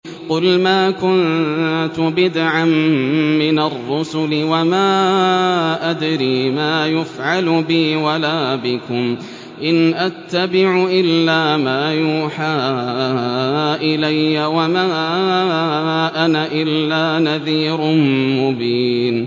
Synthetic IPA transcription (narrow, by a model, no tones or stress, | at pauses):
qʊlmaːkʊnt̪ʊbɪd̪ʕamːɪnarːʊsʊlɪwamaː | ʔad̪ɾiːmaːjʊfʕalʊbɪːwalaːbɪkʊm | ʔɪnʔat̪ːabɪʕʊʔɪlːaːmaːjuːħaː | ʔɪlajːawamaː | ʔanaʔɪlːaːnaðiːɾʊnmʊbiːn